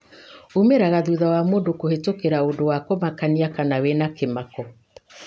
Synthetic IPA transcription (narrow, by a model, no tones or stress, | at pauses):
umeɾaɣaðuðawamoːdokohetokeɾaodowakomakaniakanawenakemakɔ